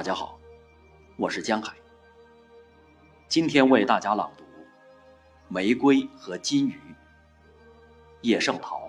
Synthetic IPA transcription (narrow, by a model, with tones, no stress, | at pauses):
t̪a˥˩t͡ɕja˥xɑ˨˩˦ʊ | wɔ˨˩ʂɻ̩˥˩t͡ɕjɑ˥ŋxa˨˩˦ɪ | t͡ɕi˥nt̪ʰjɛ˥nwe˥˧ɪt̪a˥˩t͡ɕja˥lɑ̰˨˩ŋt̪u˧˥ | me˧˥ɪkwe˥ɪxɤ˧˥t͡ɕi˥ny˧˥ | jɛ˥˧ʂɤ˥˩ŋt̪ʰɑ˧˥ʊ